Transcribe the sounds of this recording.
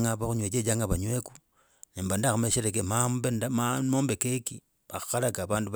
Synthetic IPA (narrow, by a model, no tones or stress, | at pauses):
ŋapauɲwet͡ʃet͡ʃaŋɡaβaɲweku | niːmbandaxumeʃeɾek̬emambenmamoːmbekeki | axḁxalakaβaːnduβ